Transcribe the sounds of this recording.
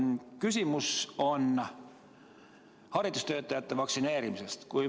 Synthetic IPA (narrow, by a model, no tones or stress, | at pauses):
kysʲimuso̞n | hɑrid̪̥ust̪øːt̪ːˑɑjæt̪ːevɑksine̞ːɾimisest̪kuj